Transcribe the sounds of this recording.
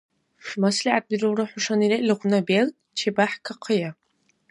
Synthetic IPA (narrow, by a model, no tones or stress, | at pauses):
ʂmasliʕat̚birɨwraħʊʂaniɾeʔlɨʁʷnabel | t͡ʃʰebaħkʰaqʰəja